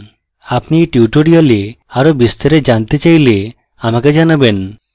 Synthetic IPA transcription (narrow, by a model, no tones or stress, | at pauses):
apniʈuʈoɽiole | aɾobist̪ɔɾed͡ʑant̪et͡ɕajle | amaked͡ʑanaben